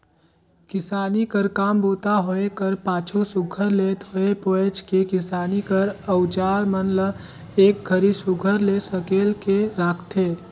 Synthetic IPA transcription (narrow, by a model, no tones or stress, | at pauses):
kɪsaːnikəɾkaːmboːt̪aɦoekəɾpãːt͡ʃʰosʊɡʱəɾleːt̪ɦoepoet͡ʃkekɪsaːnikəɾəʊt͡ʃaːɾmənlə | eːk̚ɡʱəɾisʊɡʱəɾlesəkeːlkeɾaːkʰt̪eː